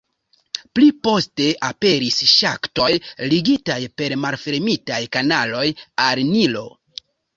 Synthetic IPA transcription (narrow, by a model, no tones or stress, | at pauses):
plipo̞ste̞ʔape̞ɾisʃakto̞jliɡitajpe̞ɾmalfe̞ɾmitajkanalo̞jalnilo̞̰